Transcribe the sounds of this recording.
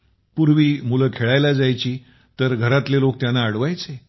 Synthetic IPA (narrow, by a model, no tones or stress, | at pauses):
puɾʋiːmuləkʰeɭajlad͡zajt͡ɕiː | t̪əɾɡʱəɾat̪lelok̚t̪janːaːɽʋajt͡se